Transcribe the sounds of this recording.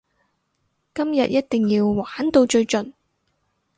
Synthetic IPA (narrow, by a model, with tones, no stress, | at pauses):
kɐ˥mjɐ̰˨t̚jɐ˥t̚t̪ɪ˨ŋjiː˧wwaː˨˥nt̪o˧wt͡ʃɵ˧ɥt͡ʃɵ˨n